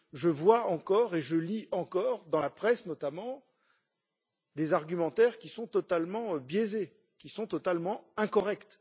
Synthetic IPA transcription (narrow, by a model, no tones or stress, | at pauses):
ʒəvwaɑ̃kɔʁeʒəliɑ̃kɔʁd̪ɑ̃lapχɛsnɔt̪amɑ̃ | d̪ezaʁɡʲymɑ̃t̪ɛʁkʲisɔ̃t̪ɔt̪almɑ̃bjeze | kʲisɔ̃t̪ɔt̪almɑ̃ɛ̃kɔʁɛkt̪